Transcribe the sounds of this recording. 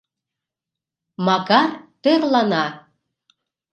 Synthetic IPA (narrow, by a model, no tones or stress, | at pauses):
mɑkɑrt̪ørlɑnɑ